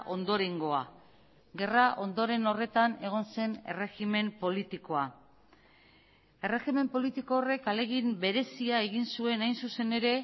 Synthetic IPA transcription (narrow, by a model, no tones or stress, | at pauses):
ʔo̞nd̪o̞ɾe̞ŋɡo̞a | ɣe̞raʔo̞nd̪o̞ɾe̞no̞re̞t̪ane̞ɣ̞o̞nse̞ne̞̰re̞xime̞mpo̞lit̪iko̞a | e̞re̞xime̞mpo̞lit̪iko̞ːre̞kale̞ɣimbe̞ɾe̞siae̞ɣinsue̞najnsuse̞ne̞ɾe̞